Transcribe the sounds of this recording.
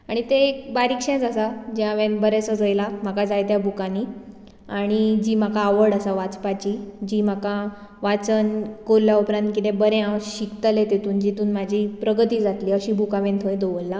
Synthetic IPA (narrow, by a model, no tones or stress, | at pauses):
aɽ̃it̪eːkbaɾikʂɛ̃t͡sasad͡ʑjaʋẽnbəɾɛsəd͡zəjlam̤akad͡zajt̪jabʱukani | aɽ̃id͡ʑiːm̤akaːʋəɽasaʋat͡spat͡ɕid͡ʑiːm̤aka | ʋat͡sənkoɾljaupɾãnt̪̚kit̪ẽbəɾẽãɕikt̪əlet̪et̪uːnd͡ʑit̪uːnm̤ad͡ʑʱiːpɾəɡət̪iːd͡zat̪liːəɕiːbʱukaʋẽnt̪ʰəjd̪oʋəlːa